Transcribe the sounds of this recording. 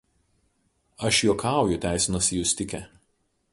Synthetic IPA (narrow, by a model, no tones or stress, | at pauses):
ɐʃjuɔkʰɑˑʊjʊt̪ʲæˑɪsʲɪnɐsʲɪjʊsʲt̪ʲɪkʲɛ